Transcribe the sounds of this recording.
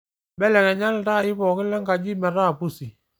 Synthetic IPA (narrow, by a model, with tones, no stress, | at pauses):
bɛ˦lɛ˨kɛ˨ɲa˦lta˦˨ɪ˦bɔ˨kɪ˦lɛ˦ŋɡa˨d͡ʒi˦mɛ˨ɾa˦˨pu˦˨si˨